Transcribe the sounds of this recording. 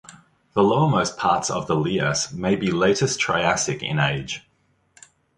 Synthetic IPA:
ðələʊəməʊspʰɑˑtsə̰vðəliəsmeɪbileɪtɪstʰɹ̥a̰ɪæsɪkɪ̰̃neɪd̥ʒ̥

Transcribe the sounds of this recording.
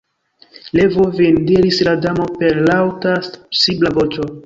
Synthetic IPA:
levovendiɾisladamo̞pe̞ɾlawtassiblavo̞t͡ʃo̞

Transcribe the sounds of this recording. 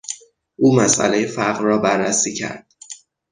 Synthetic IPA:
ʔuːmæsʔæ̰lejefæɢrɒːbærːæsiːcʰæ̰ɾd̪̥̚

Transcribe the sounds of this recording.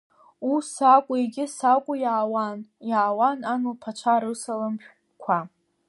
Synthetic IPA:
usakʷʼʊiɡʲɪsakʷʼʊjaːwanjaːwananulpʰat͡ʃʷʰaɾɨsalamħᶣ | kʷʰa

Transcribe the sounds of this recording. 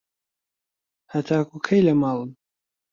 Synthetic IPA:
hɐt̪ʰaːkukʰɐjlɐmɑːlˠɨn

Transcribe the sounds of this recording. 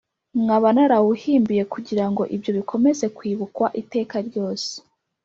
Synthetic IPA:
mŋaβanaɾawuhiːmbije̞kuɟiɾaŋɡo̞ʔibjo̞βikʰo̞me̞ze̞kwiːβukwaʔite̞ːkaɾɟo̞ːse̥

